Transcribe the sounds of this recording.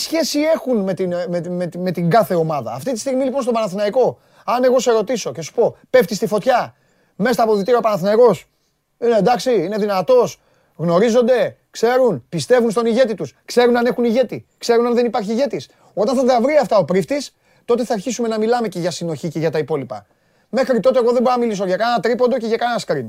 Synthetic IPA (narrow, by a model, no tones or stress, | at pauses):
sçe̞sie̞xunme̞t̪inmemet̪me̞t̪iŋɡɐθe̞o̞mɐðɐːft̪it̪i̥st̪iɣmilipo̞nst̪o̞bɐnɐθinɐiko̞ | ɐne̞ɣo̞seeɾo̞t̪iso̞cesu̥po̞pe̞ft̪ist̪ifo̞t̪çɐ | me̞st̪ɐpoðit̪iɾiopɐnɐθinɐiko̞s | inend̪ɐksiine̞ðinɐt̪o̞s | ɣno̞ɾizo̞nd̪e̞ | kse̞ɾunpist̪e̞vunst̪o̞niʝe̞t̪it̪uskse̞ɾunɐne̞xuniʝe̞t̪ikse̞ɾunɐnðe̞nipɐɾçiːʝe̞t̪is | o̞t̪ɐnθɐðɐvɾiɐft̪ɐo̞pɾift̪is | t̪o̞t̪e̞θɐːɾçisume̞nɐmilɐme̞ce̞ʝɐsino̞çice̞ʝɐt̪ɐipo̞lipɐ̰ | me̞xɾit̪o̞t̪eɣo̞ðembo̞ɾinɐmilis̬oʝɐkɐnnɐt̪ɾipo̞nd̪o̞ce̞ʝɐkɐnenɐskɾin